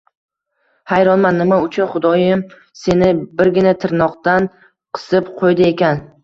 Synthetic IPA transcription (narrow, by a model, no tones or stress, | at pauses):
hajɾɒnmanːɪmaʊt͡ʃʰʊnχʊd̪ɒjɪm | se̞nɪbɪɾɡʲɪnat̪ʰɪɾnɒqt̪an | qʰɨ̥sɪpqʰojd̪ɪe̞kʲan